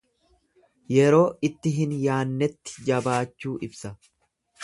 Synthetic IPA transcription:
jɛɾo̞ːɪt̪ːɪɦɪnjaːnːɛt̪ːɪ̥d͡ʒɐbaːt͡ʃːuːʔɪbsɐ

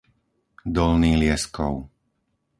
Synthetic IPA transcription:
d̪ɔlniːlɪɛskɔ̰ʊ

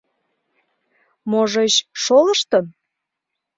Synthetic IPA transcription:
moʒeɕʃoləʃt̪ə̆n

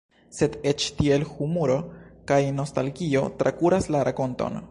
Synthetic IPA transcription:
se̞det͡ʃtie̞lhumuɾo̞kajno̞stalɡio̞tɾʔakuɾaslaɾako̞nto̰n

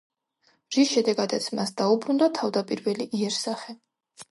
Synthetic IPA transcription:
ʒisʃɛd̪ɛɡad̪at̪sʰmasd̪aubɾund̪at̪ʰavd̪apʼiɾvɛliʔiɛɾsaχɛ

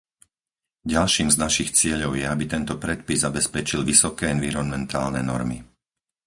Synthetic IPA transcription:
ɟalʃiːmznaʃixt͡sɪɛʎɔʊjɛabit̪ɛnt̪ɔpɾɛt̪̚pizzabɛspɛt͡ʃilʋisɔkɛːɛnʋiɾɔnmɛnt̪ʰaːlnɛnɔ̰ɾmi

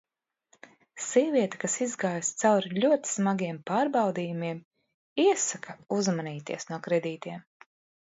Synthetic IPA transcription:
siɛviɛt̪ḁkasizɡaːjst̪sawɾiʎʲuɔt̪i̥smaɡiɛmpaːɾbawd̪iːjumiɛm | iɛsakʰauzmaniːt̪ḭɛsnuɔkɾɛd̪iːt̪iɛm

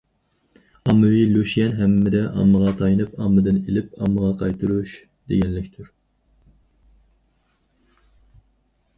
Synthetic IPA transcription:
ɑmːɨwiløʃjɛnɦɛmːɪd̪ɛʔɑ̰mːəʁɑt̪ʰɑjɨnɨpɑmːɨd̪ɨnelɪpɑmːəʁɑqʰɑjt̪ʰuɾuʃ | d̪̥ḛɡʲɛnlɪkʲt̪ʰʊɾ

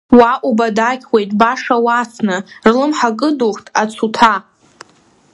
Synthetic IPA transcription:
waʔʷʼubadakʲʰwejtʼbaʂawat͡sʰnɨrlɨmħakʼɨduχtʼat͡sʰutʰa

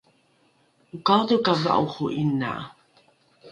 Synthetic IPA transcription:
ukawdukava̰ʔuχuʔina̰

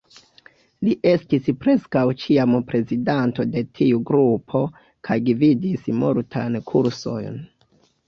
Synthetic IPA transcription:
liʔe̞stispɾe̞skawt͡ʃiampɾe̞zidanto̞de̞tʰiuɡɾupʰo̞ | kʰajɡvidismoɾtʰankʰuɾso̞̰jn

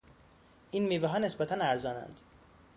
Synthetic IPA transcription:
ʔiːnmiːvɛɦɒːnesbæt̪ʰænæɾzɒːnæ̰nd̪̥

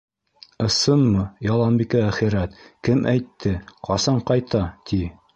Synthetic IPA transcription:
ɤ̆sɤnmɤjɑlˠɑnbikæːχiɾæt̪kɘmʔæjt̪ʰːɘqʰɑsɑɴqɑjt̪ʰɑt̪ʰi

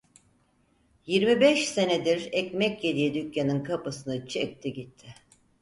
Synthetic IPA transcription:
jiɾmibɛʃse̞ned̪iɾɛcmɛcjed̪ijɛd̪ycjanɯnkʰapɯsɯnɯt͡ʃʰek̚t̪ʰiɟit̪ʰːɪ

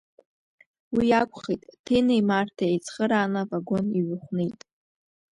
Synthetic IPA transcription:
wijakʷʼχejtʼtʰenejmartʰaejt͡sʰʼχəɾaːnavaɡo̞niɥχʷnetʼ

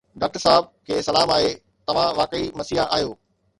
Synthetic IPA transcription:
ɖaːk̚ʈəɾsaɦɪb̚kʰeːsɐlaːmaːɦe | t̪ɐʋ̤ãʋaːkəimɐsiaʔaːɦjoː

